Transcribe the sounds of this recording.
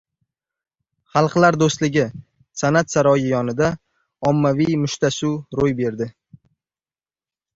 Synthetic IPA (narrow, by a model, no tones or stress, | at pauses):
χɑlˠqlaɾd̪ost̪lɪɡʲɪ | sanat̪saɾɒjɪjɒnɪd̪a | ɒmːavijmʊʃt̪ʰasuɾojbe̞ɾd̪ɪ